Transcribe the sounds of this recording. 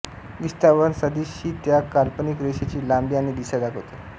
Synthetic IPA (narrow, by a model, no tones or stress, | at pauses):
ʋist̪aʋənsəd̪iɕiːt̪jakalpənikɾeɕet͡ɕiːlambiañid̪isad̪akʰot̪e